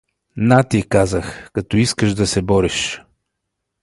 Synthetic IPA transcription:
nat̪ikazəxkɐt̪ɔiskəʃd̪ɐsɛbɔɾɛʃ

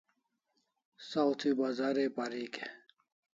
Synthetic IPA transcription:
sawt̪ʰibazaːɾepaɾike

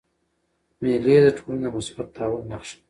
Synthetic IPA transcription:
meled̪əʈʰolanamʊsbat̪̚d̪ɑwənnaxʃ

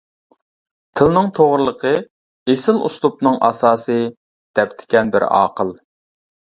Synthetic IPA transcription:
t̪ʰɨlnɨŋt̪ʰoʁɾlˠəqʰə | esɪlˠṵslˠup̚nɨŋʔɑ̰sɑːsɨ | d̪̥ɛpt̪ʰɪ̥kʲɛnbɪ̰ɾɑ̰ːqəlˠ

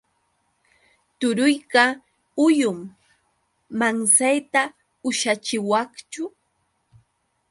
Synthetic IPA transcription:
t̪ʊɾʊjɢɑ | ʊjʊm | aŋsajt̪a | ʊʃat͡ʃɪwɑχt͡ʃʊ

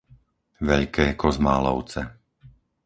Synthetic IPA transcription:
ʋɛʎkɛːkɔzma̰ːlɔ̰ʊt͡sɛ

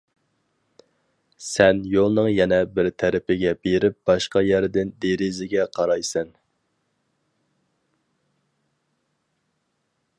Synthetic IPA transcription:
sɛnjolˠnɨŋjɛnɛbɪɾt̪ʰæɾɪpɪɡʲɛbeɾɪp̚b̥ɑʃqɑjæɾd̪ɪnd̪eɾɪzɪɡʲɛqʰɑɾɑjsɛn

